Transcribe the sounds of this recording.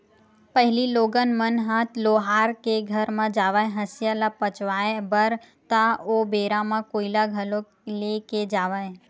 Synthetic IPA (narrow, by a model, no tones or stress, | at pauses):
pəɦɪliloːɡənmənɦat̪loːɦaːɾkeɡʱəɾmãd͡ʒaːʋaːjɦəsjalapət͡ʃʋaːebəɾ | t̪aobeːɾamãkoːilaɡʱəlo | leked͡ʒaːʋae